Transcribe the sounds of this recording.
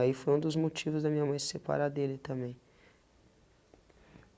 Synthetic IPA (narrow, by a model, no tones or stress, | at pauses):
aifojɾũd̪ʊzmot͡ʃivʊzd̪ɐmĩɲɐmɐ̃j̃sepa̰ɾad̪elɪt̪ɐ̃mbẽj̃